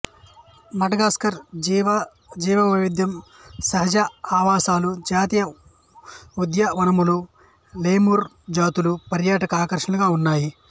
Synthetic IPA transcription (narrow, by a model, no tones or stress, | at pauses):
mɐʈɐɡaːskɐɾ | d͡ʒiːʋɐʋiʋid̪jɐm | sɐɦɐd͡ʒɐaːʋaːsaːlud͡ʒaːt̪ijɐ | ud̪jɐʋɐnɐmulu | leːmuɾ | d͡ʒaːt̪ulupɐɾjaːʈɐkɐaːkɐɾʂɐɳɐluɡaːunːaːji